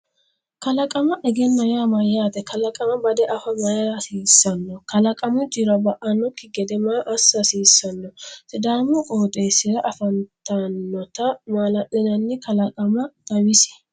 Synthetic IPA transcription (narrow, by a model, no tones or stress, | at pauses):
kɐlɐkʼɐmɐʔɛɡɛnːɐjamɐjaːt̪ɛkɐlɐkʼɐmɐbɐd̪ɛʔɐfɐmɐjasiːsːɐnːɔkɐlɐkʼɐmʊd͡ʒɪɾɐbɐʔɐnːɔkːɪɡɛd̪ɛmaːʔɐsːɐsiːsːɐnːɔt̪ɪd̪aːmʊkʼoːt̪ʼeːsɪɾɐʔɐfɐnt̪ɐnːɔt̪ɐmaːlɐʔɪnɐnːɛkɐlɐkʼɐmɐt̪ʼɐmɪsɛ̥